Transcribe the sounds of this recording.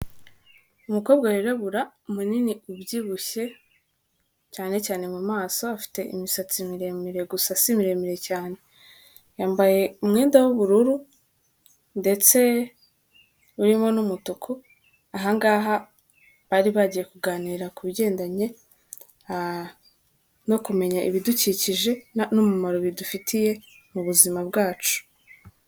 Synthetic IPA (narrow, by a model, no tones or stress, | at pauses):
umuko̞ːbɡajiɾaβuɾaumuniniubɟiβuʃe̞ | caːne̞caːne̞mumaːso̞afi̥te̞ʔḭmisat͡simiɾe̞miɾe̞ɡusasimiɾe̞miɾe̞caːne̞ | jaːmbaje̞umŋiːndawuβuɾuɾu | nde̞t͡se̞ | uɾimo̞numutukʰu | aɦaŋɡaːɦa | βaːɾiβaɟije̞kuɡaːniːɾakuβiɟe̞ːndaɲe̞ | no̞kume̞ɲaʔiβiduciciʒe̞numumaɾo̞βidufitʰije̞ | muβuzimabɡaːt͡ʃu̥